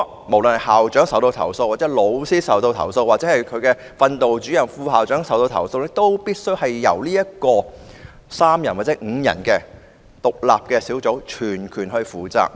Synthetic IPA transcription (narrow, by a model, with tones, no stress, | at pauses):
mo˨˩wlɵ˨nhɐ˨˩haː˨wt͡ʃœː˨˥ŋsɐ˨˥wt̪o˧wt̪ʰɐ̰˨˩wso˧waː˨t̚t͡sɛ˨˧˥lo˨˧˥wsiː˥sɐ˨˥wt̪o˧wt̪ʰɐ̰˨˩wso˧wa˨t̚t͡sɛː˨˥hɐ˨jkʰɵ˨˧ɥkɛː˧ | fɐ˧nt̪o˨wt͡ʃyː˨˥jɐ˨˩ŋfuː˧ɦaː˨˩wt͡ʃœː˨˥ŋsɐ˨˩wt̪o˧wt̪ʰɐ̰˨˩wso˧wle˧˥t̪o˥wpiː˥t̚sɵ˥ɥhɐ˨jːɐ̰˨˩wliː˥jɐ˥t̚kɔː˧ | saː˥mjɐ˨˩nwa˨t͡sɛ˨˧˥ŋ̩ː˨˧jɐ̰˨˩nkɛː˧ | t̪ʊ˨k̚la̰ː˨p̚kɛː˧siː˨˥wt͡so˨˥wt͡ʃʰyː˨˩nkʰyː˨˩nɦɵ˧ɥfuː˨˧t͡sa̰ː˧k̚